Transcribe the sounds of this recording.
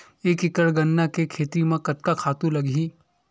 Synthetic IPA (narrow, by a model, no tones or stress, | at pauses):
eːkɪkəɽɡɐnːakekʰeːt̪ɾimãkɐt̪̚kakʰaːt̪ũlɐɡʱĩː